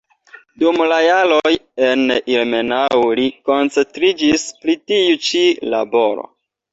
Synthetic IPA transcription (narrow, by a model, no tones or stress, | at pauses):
dumlajalojenilme̞nawliko̞nt͡se̞ntɾid͡ʒispɾitiut͡ʃila̰bo̞ɾo̞̰